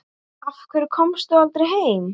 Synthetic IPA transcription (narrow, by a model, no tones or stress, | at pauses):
afkʰvɛɾkʰɔmst̪ualt̪ɾɪɦeːjm